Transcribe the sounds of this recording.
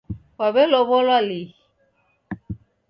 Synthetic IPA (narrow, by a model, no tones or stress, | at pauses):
waβɛlɔβɔlali